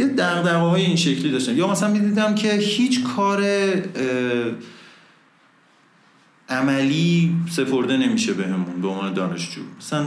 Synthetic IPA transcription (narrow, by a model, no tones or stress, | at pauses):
jed̪æɣd̪æɣɒːɦɒːjeiːnʃe̞cʰlid̪ɒːʃt̪æmjɒːmæsælænmid̪iːd̪æmcʰe̞hiːt͡ʃʰkʰɒːɾe | ʔæmæliːse̞pʰo̞ɾd̪e̞ne̞miʃe̞be̞ɦe̞munbeonvːne̞d̪ɒːne̞ʃd͡ʒṵːmæsælæn